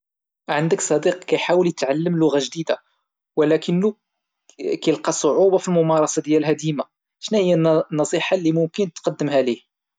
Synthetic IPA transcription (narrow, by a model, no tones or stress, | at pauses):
ʕand̪əksˤɑd̪iqkæjħawəljət̪ʕalːəmlʊɣaʒd̪id̪a | wəlækənːu | kæjəlqɑsˤːoʕubɑfilmʊmɑɾˤɑsˤɑd̪jælɦæd̪ima | ʃnæhəjːænːɑsˤiħalːimʊmkənt̪qɑd̪ːəmɦælih